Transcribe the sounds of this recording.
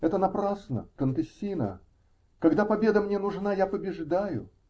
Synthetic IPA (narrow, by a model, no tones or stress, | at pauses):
ɛt̪ənɐpɾasnə̰kənt̪ɨsʲːinə̰ | kɐɡd̪apɐbʲe̞d̪əmnʲe̞nʊʐnajapəbʲɪʐd̪ajʊ̰